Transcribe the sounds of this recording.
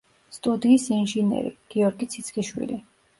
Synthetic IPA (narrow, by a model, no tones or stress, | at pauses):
st̪ʼud̪iːsinʒinɛ̰ɾḭɡ̥iɔɾɡit̪sʰit̪sʰχiʃwḭli